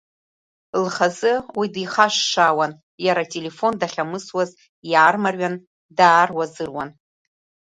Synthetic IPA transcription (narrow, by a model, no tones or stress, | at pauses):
lχazɨwidiχaʃːawan | jaɾatʼe̞le̞fo̞ndaχʲamɨswaz | jaːrmarɥan | daːrwazɨrwan